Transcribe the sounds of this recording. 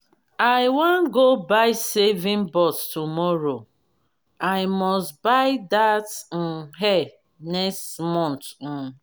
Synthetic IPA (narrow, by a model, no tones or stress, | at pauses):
aɪwãnɡobaɪsevĩnbɔttumɔɹo | aɪmɔstbaɪdatn̩ɦɛ | nɛkstmɔ̃ntn̩